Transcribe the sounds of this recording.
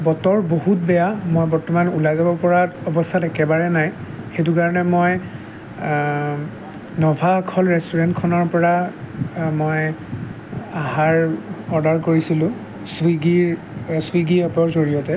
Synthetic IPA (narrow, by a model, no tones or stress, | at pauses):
bɔtɔɹbohutbɛjamojbɔɹtɔmanulajzabɔɹpɔɹaɔbɔstʰatɛkɛbaɹɛnaj | xet̬ukaɹɔnɛmoj | nɔbʱakʰɔlɹɛstuɹɛntkʰɔnɔɹpɔɹa | moj | ahaɹɔɹdaɹkoɹisilʊ̃ | swiɡiɹ | swiɡiɔpɔɹzoɹijɔtɛ